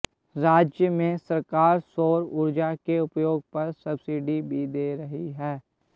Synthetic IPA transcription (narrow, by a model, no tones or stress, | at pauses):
ɾaːd͡ʒjəmẽsəɾkaːɾsoːɾʊɾd͡ʒakeʊpjoːɡ̚pɐɾsəbsiːɖibʱid̪eːɾɐɦiɦɛː